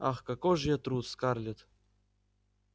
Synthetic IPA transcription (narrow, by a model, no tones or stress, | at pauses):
a̰xkakɔʐjɛt̪ɾut̪skarlʲɪt̪